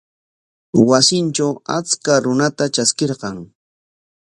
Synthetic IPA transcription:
wasɪnt͡ʃawat͡skaɾʊnat̪at͡ʃaskeɾqɑŋ

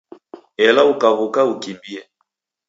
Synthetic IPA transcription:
ɛlaukaɣukaukimbiɛ

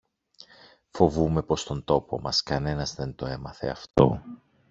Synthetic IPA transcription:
fo̞vume̞po̞st̪o̞nt̪o̞po̞mɐskɐne̞nɐzðe̞nt̪o̞e̞mɐθe̞̰ɐft̪o̞̰

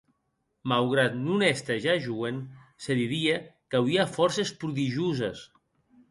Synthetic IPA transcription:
malɣ̞ɾat̪nunɛst̪eʒaʒuenseðiðiekawiafɔɾsespɾuðiʒuzes

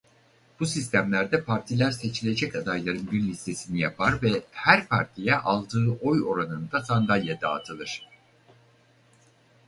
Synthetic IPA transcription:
b̥usist̪ʰæmlʲæɾd̪ɛpʰaɾt̪ʰilʲæɾse̞t͡ʃʰilʲe̞d͡ʒɛcad̪ajlˠaɾɯnbiɾlʲist̪ʰe̞sinijapʰaɾvɛhæɾpʰaɾt̪ʰijɛʔalˠd̪ɯːʔo̞jo̞ɾanɯnd̪asand̪alʲjad̪aːt̪ʰɯlˠɯɾ̝̥

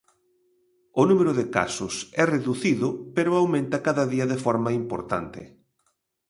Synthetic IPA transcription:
ʊnumeɾʊðɪka̰sʊsɛreðuθiðʊpeɾʊawmẽnt̪ɐkaðɐðiɐðɪfɔɾmɐimpo̰ɾt̪a̰nt̪ɪ̰

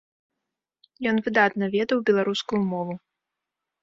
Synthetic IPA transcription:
jɔnvɨd̪at̪nɐvʲɛd̪ɐwbʲɛlˠaɾuskujumɔvu

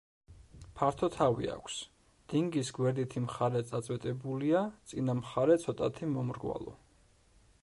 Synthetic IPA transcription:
pʰaɾt̪ʰɔt̪ʰavḭa̰kʷʰs | d̪̥iŋɡisɡwɛɾd̪it̪ʰimχaɾɛt̪sʼat̪sʼwɛt̪ʼɛbuliat̪sʼinamχaɾɛt̪sʰɔt̪ʼat̪ʰimɔmɾɡwa̰lˠɔ̰

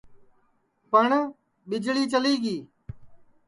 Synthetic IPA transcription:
pəɳ | ɓɪd͡ʒɭiːt͡ʃəliːɡiː

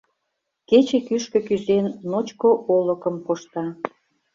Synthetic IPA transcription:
ket͡ɕekyʃkø̆kyzenːot͡ɕkoʔolə̆kəmkoʃt̪ɑ

